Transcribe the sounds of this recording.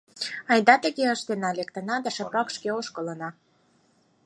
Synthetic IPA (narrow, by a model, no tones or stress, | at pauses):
ɑjd̪ɑt̪ə̆ɣeəʃt̪enɑlekt̪ə̆nɑd̪əʃə̆pɑkʃkeoʃkələ̆nɑ